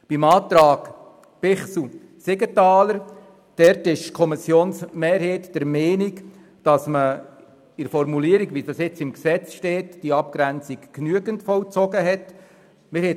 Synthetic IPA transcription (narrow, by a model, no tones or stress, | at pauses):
b̥imɑːt̪ɾɑːɡ̥ | pɪχsu | sɪɡətɑːləɾ | d̥ɛɾtɪʃkʰɔmisjoːnsmeːɾheːtd̥ɛɾmɛːnik | d̥ɑsmə | ɪɾfɔɾmuliəɾiɡʋidɑsɪt͡sɪmksɛt͡sʃtɛːtd̥iəɑp̚kɾænt͡sikknyəɡəntfɔlt͡sɔɡəɦɛt | mɪɾhɛ